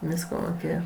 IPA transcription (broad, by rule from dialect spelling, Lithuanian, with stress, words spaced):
ˈʋʲiːskoː moːˈkʲeːjɛ